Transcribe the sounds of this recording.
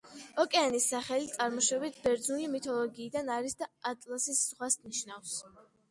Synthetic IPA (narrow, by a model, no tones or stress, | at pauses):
ɔkʼɛanisːaχɛlit̪sʼaɾmɔʃɛbit̪ʰbɛɾd̪zunimit̪ʰɔlˠɔɡiːd̪anaɾisd̪aat̪ʼlˠasisʁwasniʃnafs